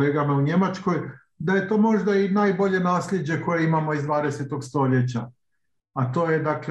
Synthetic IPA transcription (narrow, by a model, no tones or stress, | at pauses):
eːɡamauɲe̞mat͡ʃko̞j | d̪aje̞t̪o̞ːmo̞ʒd̪ainaːjbo̞ʎe̞naːsʎʲe̞d͡ʑe̞ko̞je̞imamo̞izd̪ʋaːd̪e̞set̪o̞ɡst̪o̞lje̞t͡ɕa | at̪o̞ːjed̪akl